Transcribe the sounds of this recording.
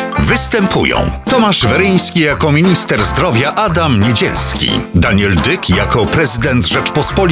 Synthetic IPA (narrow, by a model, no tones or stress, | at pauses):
vɘst̪ɛmpʰṵjɔ̰̃w̃t̪ɔmaʐvɛɾɘj̃skʲijakɔmʲiɲist̪ɛɾzd̪ɾɔvʲjaʔad̪amɲed͡ʑɛ̰lskʲḭd̪aɲɛld̪ɘkjakɔpɾɛzɘd̪ɛnt̪ʐɛt͡ʂpɔspɔlʲ